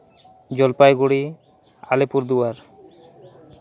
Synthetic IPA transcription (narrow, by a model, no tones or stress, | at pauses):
d͡ʑɔlpajɡuɽi | a̰lipuɾd̪uwaɾ